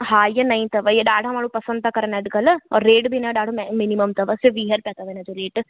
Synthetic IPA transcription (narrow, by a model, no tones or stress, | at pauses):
ɦaːjənəĩt̪əʋəjeɖaːɽamaːlũːpəsə̃nd̪̚t̪aːkəɾənɛɖkəlɔːɾːeːʈbʱiːnãɖaːɽomɪniməmt̪əʋəseʋiːɦəɾpɛːt̪aʋeːnãːd͡ʒoɾeːʈ